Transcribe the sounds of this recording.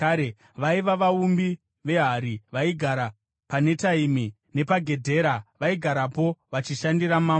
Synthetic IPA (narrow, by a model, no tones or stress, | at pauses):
e | ʋaiʋaʋaumbi | ʋe̞ɦaɾiʋaiɡʱaɾa | pane̞taimi | ne̞paɡʱe̞dʱe̞ɾaʋaiɡʱaɾapo̞ʋat͡ʃiʃandiramaːm